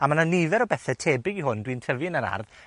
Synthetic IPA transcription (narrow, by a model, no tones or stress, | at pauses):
amananivɛɾɔbɛθɛtʰeːbɪɡihʊndwintʰəvinəɾa̰rð